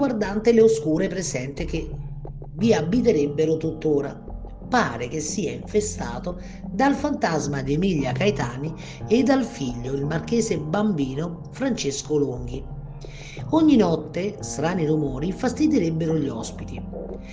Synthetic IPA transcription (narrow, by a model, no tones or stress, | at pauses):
ɡward̪ant̪eleoskuːɾepɾezɛnt̪ɪk̟e | viabːit̪̬eɾebːeɾʊt̪ut̪ːoːɾa̰ | paːɾek̟esːiːaiɱfest̪a̰ːt̪oʊ | d̪alfant̪azmad̪iemiʎːakajt̪aːni | ed̪ːalfiʎːoilmark̟eːzebambiːno | fɾant͡ʃeskʊluŋɡ̟i | ɔɲːinɔt̪ːest̪ɾaːnirumɔːɾifast̪id̪iɾebːeɾʊʎiɔspit̪i